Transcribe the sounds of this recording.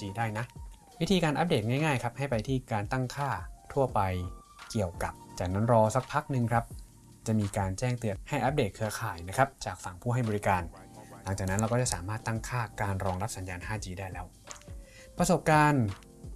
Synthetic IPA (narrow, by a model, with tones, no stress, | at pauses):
t͡ɕiː˧daː˥˩jna˦˥ʔ | wi˦˥t̪ʰiː˧kaː˧nʔa˦˥p̚deː˨˩t̪̚ŋaː˥˩jŋaː˥˩jkʰɾa˦˥p̚ha˥˩jpa˧jt̪ʰiː˥˩kaː˧nt̪a˥˩ŋkʰaː˥˩t̪ʰu˥˩ɐpa˧j | ki˨˩əwka˨˩p̚t͡ɕaː˨˩k̚na˦˥nɾɔː˧sa˦˥k̚pʰa˦˥k̚nɯ˧ŋkʰɾa˦˥p̚ | t͡ɕa˨˩miː˧kaː˧nt͡ɕɛː˥˩ŋt̪ɯ˧əha˥˩jʔa˦˥p̚deː˨˩t̪̚kʰɯ˧ɐkʰaː˨˩jna˦˥kʰɾa˦˥p̚t͡ɕaː˨˩k̚fa˨˩ŋpʰuː˥˩ɦa˥˩jbɔː˧ɾi˦˥kaː˧nla˩˦ŋt͡ɕaː˨˩k̚na˦˥nɾa˧wkɔː˥˩t͡ɕa˨˩saː˩˦maː˥˩t̪ːa˥˩ŋkʰaː˥˩kaː˧nɾɔː˧ŋɾa˦˥p̚sa˨˦njaː˧nɦaː˥˩t͡ɕiː˧daː˥˩jlɛː˦˥w | pɾso˨˩p̚kaː˧n